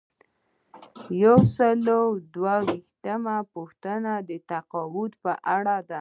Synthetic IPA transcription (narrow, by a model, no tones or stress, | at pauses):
jawsəlowd̪wawixt̪əmapuxt̪ənad̪ət̪aqɑwut̪pəʔaɽad̪a